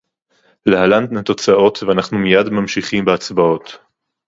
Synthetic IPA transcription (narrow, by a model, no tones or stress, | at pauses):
leɦaland̪nat̪o̞t͡sao̞t̪veanaχnumijadmamʃiχimbeat͡sbao̞t̪